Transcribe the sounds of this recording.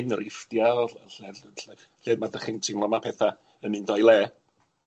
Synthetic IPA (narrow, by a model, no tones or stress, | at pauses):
nəɾɪfdjaɔɬɛdɬɛ | ɬɛdmadəχɪntʰinlˠɔmapʰɛθa | ənɨndɔjlˠɛː